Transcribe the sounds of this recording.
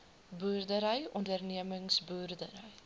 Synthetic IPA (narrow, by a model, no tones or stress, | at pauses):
buːrdəɾəjɔndərniəməŋsbuːrdəɾəj